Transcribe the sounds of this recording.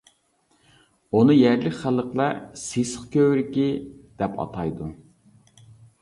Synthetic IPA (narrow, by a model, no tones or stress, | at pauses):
unɨjæɾlɪkʲχælˠəqlˠɑsesə̥χkʲøwɾɪkʲid̪̥ɛpʰɑ̰t̪ʰɑjd̪u